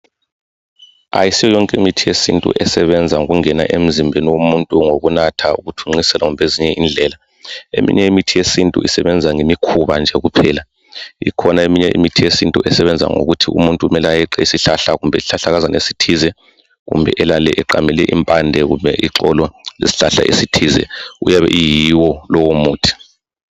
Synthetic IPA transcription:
a̰jisijɔjɔŋkʼemitʰijesḭntʼṵʔɛsɛβɛnd͡zʱaŋoɣuŋɛna̰ʔem̩zimbʱeniwomuntʼuŋoɣunatʰaṵɣutʰuŋ͡ǁisɛlaɣumbʱeziɲɛind͡ɮʱɛːla | ḛmḭɲɛimitʰijesintʼṵisɛβɛnd͡zʱaŋemikʰuβand͡ʒʱɛɣupʰɛːla | ḭkʰɔnaemiɲɛʔḭmitʰijesintʼuʔɛsɛβɛnd͡zʱa̰ŋo̰ɣutʰiṵmuntʼuumɛlajɛǁɛisiɬaɬaɣumbʱɛsiɬaɬaɣazanesi̥tʰizɛ | ɣṵmbʱɛ̰ʔɛlalɛʔɛǃamɛlɛʔimpʼandʱɛɣumbʱɛʔiǁɔlɔlḛsi̥ɬaɬa̰ʔesitʰiːzɛ̰ṵjaβɛ̰ʔijiwɔlɔwomuːtʰi̥

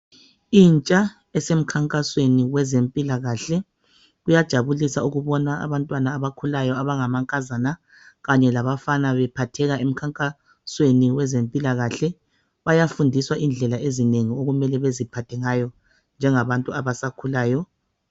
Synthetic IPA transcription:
iːnt͡ʃʼa | ɛsem̩kʰaŋkʼasweniwɛzempʼilaɣaɬɛ | ɣujad̥ʒ̥ʱaβulisauɣuβɔnaa̰βantʼwanaːβakʰulajɔaβaŋamaŋkʼazana | ɣaɲɛlaβafanaβɛpʰatʰɛɣaʔem̩kʰaŋkʼa | sweniwɛzempʼilaɣaɬɛ | βajafundʱiswaʔind͡ɮʱɛlaʔezineŋioɣumɛlɛβezipʰatʰɛŋajɔ | nd͡ʒʱɛŋaβantʼuaβasakʰulaːjɔ

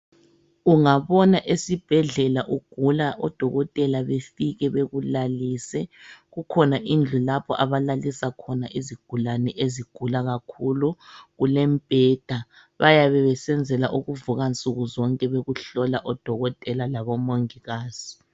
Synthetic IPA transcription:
uŋaβɔnaʔesib̥ʱɛɮɛlaʔuɡ̥ʱulaʔɔd̥ʱɔɣɔtʼɛlaβefiɣɛβeɣulaliːsɛɣukʰɔnaʔind͡ɮʱulapʰɔʔaβalalisakʰɔnaʔiziɡ̥ʱulanɛʔeziɡ̥ʱulaɣakʰuluɣulɛmbʼʱɛd̥ʱa | βajaβɛβɛsɛnd͡zʱɛlaʔuɣuvuɣant͡sʼuɣuzɔŋkʼɛβeɣuɬɔlaʔɔd̥ʱɔɣɔtʼɛlalaβɔmoŋiɣaːz̥i

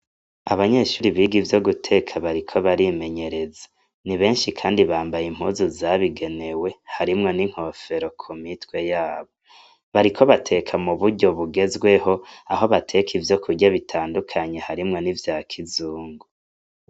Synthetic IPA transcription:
aβaɲe̞ʃuːɾiβiːɡivjo̞ɡutʰe̞ːkʰaβaɾikʰo̞βaɾime̞ɲe̞ɾe̞zḁ | niβe̞ːnʃikʰaːndiβaːmbajim̥huːzuzaβiɡe̞ne̞we̞haɾimŋo̞niŋ̥ho̞fe̞ɾo̞kʰumitwe̞jaːβo̞ | βaɾikʰo̞βatʰe̞kʰamuβuɾɟo̞βuɡe̞zɡwe̞ho̞aɦo̞βatʰe̞kʰivjo̞kʰuɡɟaβitʰaːndukʰaɲe̞haɾimŋo̞nivjaːkʰizuːŋɡo

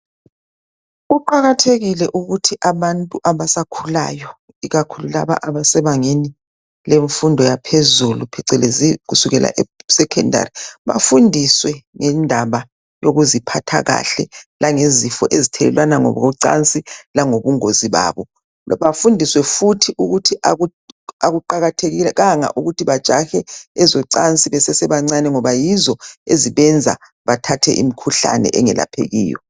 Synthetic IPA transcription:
ɣuǃaɣatʰeɣilɛʔuɣutʰiʔaβantʼuʔaβasakʰula̰jɔ | iɣakʰulula̰βa̰ʔaβasɛβaŋeni | leɱfundʱɔjapʰezulupʰɛǀɛleziɣusuɣɛlʔa̰ʔɛsɛkʰɛndʱa̰riβa̰fundʱiswɛŋɛndʱaβa | joɣuzipʰatʰa̰ɣa̰ɬɛlaŋezifɔʔezitʰɛlɛ̰lwanaŋɔ̰βɣɔǀa̰nt͡sʼilaŋoβuŋoziβa̰ːβɔ | βafundʱiswɛfutʰiʔuɣutʰiʔaɣu | aɣuǃaɣatʰeɣilɛɣaŋa̰ʔuɣutʰiβḁt͡ʃʼaxɛɛzɔǀant͡sʼiβɛsɛsɛβaŋ͡ǀanɛŋɔβajizɔeziβɛnd͡zʱa̰ | βatʰatʰɛ̰ʔḭmikʰuɬa̰nɛ̰ʔɛŋɛla̰pʰḛɣḭːjɔ̰

